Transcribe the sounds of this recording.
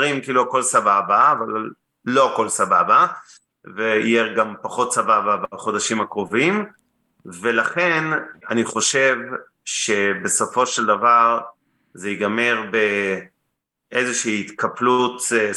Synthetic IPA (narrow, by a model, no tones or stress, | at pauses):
ʁimkiiːluako̞lsababaːvallː | o̞ko̞lsababa | veḭjeɡampaχo̞tsabababaχo̞d̪aʃimakʁo̞vim | ve̞laχe̞naniχo̞ʃe̞v | ʃe̞be̞so̞fo̞ʃeld̪avaʁ | zeiɡame̞ʁbe | ʔezeʃiːit̪kaplut̪